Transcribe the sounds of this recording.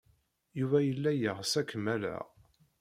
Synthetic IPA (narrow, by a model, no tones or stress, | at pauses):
juvæjəlːæjəʁsækmælæ̰